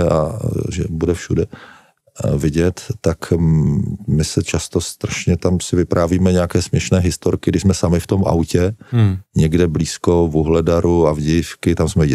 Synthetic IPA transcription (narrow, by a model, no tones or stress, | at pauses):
a̰ʒɛ̰budɛfʃudɛ | vɪɟɛt̪ːak | mɪsɛt͡ʃast̪ost̪ɾaʃɲɛt̪amsɪvɪpɾʔaːviːmɛɲɛakɛːsmɲɛʃnɛːɦɪst̪oɾkɪɡdɪʃzmɛsamɪft̪o̞mʔa̰wcɛɲɛɡdɛbliːsko̞vuɦlɛdaɾuavɟɛjɪfkɪt̪amsmɛj